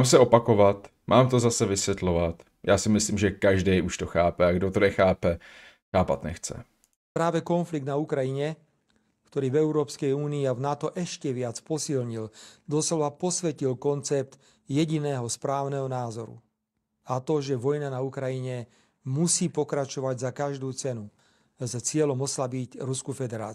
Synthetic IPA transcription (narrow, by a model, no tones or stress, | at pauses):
aːmsɛopakovat̪ | mʔaːmt̪ozasɛvɪsʋjɛt̪loʋat̪ | jʔaːsɪmɪsliːmʒɛkaʒdɛjʔuʃt̪oxaːpɛaɡdot̪onɛxaːpɛ | xaːpa̰t̪nɛ̰xt͡sɛ̰ | pɾaːʋɛkɔnfliɡ̚d̪naukɾajiɲɛ | kt̪ɔɾiːvɛuɾɔːpskɛjuːniːavnat̪ɔʔɛʃcɛʋɪat͡spɔsilɲild̪ɔslɔʋapɔsʋɛcilkɔnt͡sɛp̚t̪ | jɛɟinɛːɦɔspɾaːʊnɛɦɔnaːzɔɾṵ | at̪ɔʒɛʋɔjnanaukɾajiɲɛ | musiːpɔkɾat͡ʃɔʋaɟzakaʒd̪uːt͡sɛnu | zt͡sɪɛlɔmɔslabicɾuskufɛd̪ɛɾa̰ː